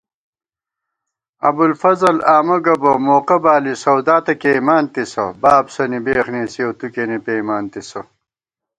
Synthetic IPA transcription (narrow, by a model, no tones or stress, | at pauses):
ɐ̰bulfɐzɐlaːmɐɡɐbɐmoːqɐbaːlisɐwd̪aːt̪ɐkeːmaːnt̪isɐ̰baːbsɐnibeːxneːsiɐwt̪ukenipeːmaːnt̪isɐ